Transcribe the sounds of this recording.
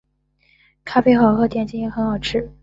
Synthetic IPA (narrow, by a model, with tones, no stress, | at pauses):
kʰa˥pe˥˧ɪxɑ˨˩ʊxɤ˥t̪jɛ˥˩nt͡ɕi˥ŋ˥xə˧˥nxɑ˨˩ʊʈ͡ʂʰɻ̩˥˩